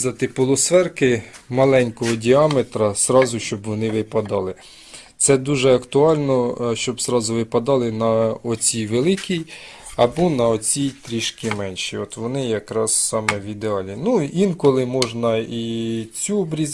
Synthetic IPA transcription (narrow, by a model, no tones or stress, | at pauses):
d̪ɐt̪ɪpɔlˠɔsʋɛrkɪmɐlˠɛnʲkɔɦɔdʲiɑmet̪ɾɐzɾɑzʊʃt͡ʃɔbʋɔnɪʋɪpɐd̪ɑlˠɪ | t̪sɛd̪uʒɛɐkt̪ʊɑlʲnɔʃt͡ʃɔbzɾɑzʊʋɪpɐd̪ɑlˠɪnɐɔt͡sʲijʋelˠɪkʲij | ɐbɔnɐɔt͡sʲijt̪ɾʲiʃkɪmɛnʲʃiɔt̪ʋɔnɪjɐkɾɑssɑmɛʋʲid̪eɑlʲinuinkɔlˠɪmɔʒnɐit͡sʲuɔbɾʲiz